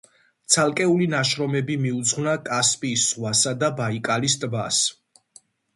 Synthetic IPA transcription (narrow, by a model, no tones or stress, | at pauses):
t̪sʰalˠkʼɛulinaʃɾɔmɛbimiud̪zʁnakʼaspʼiːsːʁwasad̪abaikʼalis̬t̪ʼbas